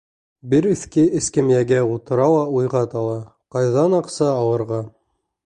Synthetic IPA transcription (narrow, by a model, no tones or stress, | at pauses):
bɘɾʉ̆θkɘɘ̆skɘ̆mjæɡæut̪ɤ̆ɾɑlˠɑujʁɑt̪ɑlˠɑ | qɑjðɑnɑqsɑːwɤ̆ɾʁɑ